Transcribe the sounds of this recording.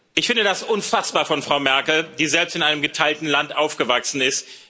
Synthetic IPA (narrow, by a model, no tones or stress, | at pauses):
ʔɪçfɪndədasʔʊnfasb̥aːɐfɔnfʁ̥aʊmɛɐkl̩d̥iːzɛlpstɪnʔaɪnəmɡətʰaɪltn̩lantʔaʊfɡ̥əvaksn̩ɪst